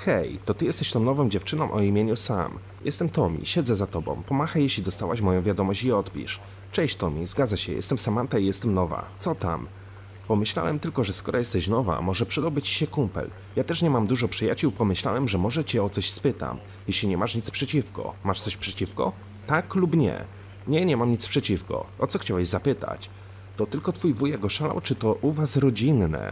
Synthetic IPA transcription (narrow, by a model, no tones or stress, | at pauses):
xɛjt̪ɔt̪ɘjɛst̪ɛɕt̪ɔ̃mnɔvɨmd͡ʑɛft͡ʂɘnɔ̃w̃ʔɔimʲjeɲusa̰m | jɛ̰st̪ɛmt̪ɔmʲḭɕɛd̪zɛzat̪ɔbɔ̰̃w̃pɔmaxajeɕlʲid̪ɔst̪a̰waɕmɔjɔ̃w̃vʲjad̪ɔmɔɕt͡ɕiɔt̪pʲḭʂ | t͡ʂɛjɕt̪ɔmʲizɡad̪zaɕɛ̰jɛ̰st̪ɛmsamant̪aijɛst̪ɛmnɔva̰t̪sɔt̪a̰m | pɔmɘɕla̰wɛmt̪ɘlkɔʐɛskɔɾɔjɛst̪ɛɕnɔva̰mɔʐɛpʂɛd̪ɔwbɘt͡ɕɕɛkumpɛ̰l | jat̪ɛʂɲɛmamd̪uʐɔpʂɘjat͡ɕuwpɔmɘɕla̰wɛmʐɛmɔʐɛt͡ɕɛɔt̪sɔɕspɘt̪a̰m | jɛɕlʲiɲɛmaʂɲit̪spʂɛt͡ɕifkɔ̰maʂt̪sɔɕpʂɛt͡ɕifkɔ̰ | t̪aklupɲɛ̰ | ɲɛɲɛmamɲit̪spʂɛt͡ɕifkɔ̰ʔɔt̪sɔxt͡ɕawɛʑzapɘt̪a̰t͡ɕ | t̪ɔt̪ɘlkɔt̪fujvujaɡɔʂala̰wt͡ʂɘt̪ɔʔuvasɾɔd͡ʑinːɛ̰